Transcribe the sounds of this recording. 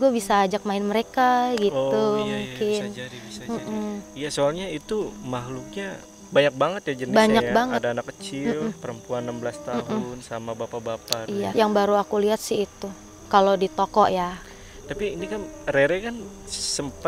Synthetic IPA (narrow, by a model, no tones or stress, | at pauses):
ɡuabisaːd͡ʒak̚maɪnməɾekaɡiumuŋkɪnm̩m̩jasoalɲait̪umaɦluk̚ɲa | baɲak̚baŋət̪̚jad͡ʒənbaɲɲakbaŋətdaːnakːət͡ʃɪmlmpəɾəmpuanːambəlast̪aɦm̩ʊnsamabapabapaijajaŋbaɾuakuliɦat̪̚sɪit̪u | kalodit̪okɔʔja | t̪apiːnikanɾeɾekan | səmpa